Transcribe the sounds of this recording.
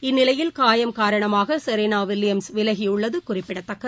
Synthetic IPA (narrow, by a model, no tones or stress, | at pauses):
ɪnːɪlɐjɪlkaːjɐmkaːɾɐɳɐmaːɣɐsɐɾenaːʋɪlɪjɐmsʋɪlɐɣijʊɭːɐðɯkʊrɪpːɪɽɐt̪ːɐkːɐ